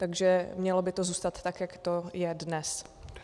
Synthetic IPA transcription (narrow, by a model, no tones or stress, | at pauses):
t̪aɡʒɛmɲɛlobɪt̪ozuːst̪at̪ːakjakt̪ojɛdnɛs